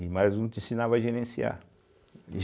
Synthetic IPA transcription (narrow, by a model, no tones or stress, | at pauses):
imaznũt̪ẽsĩnavɐaʒeɾẽsia̰ | ʒ